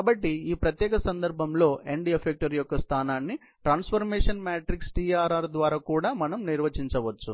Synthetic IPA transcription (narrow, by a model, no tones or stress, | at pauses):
aːbɐʈːiiːpɾɐt̪jɛːkɐsɐnd̪ɐɾbʱɐmlo̞ːeɳɖiefʰek̚ʈɐɾjɔkːɐst̪ʰaːnaːnːi | ʈɾaːnspʰɐɾmɛːʂɐnmaːʈɾiksʈiːaːɾaːɾd̪ʋaːɾaːkuːɽaːmɐnɐmniɾʋɐt͡ʃiɲt͡ʃɐʋɐt͡ʃːu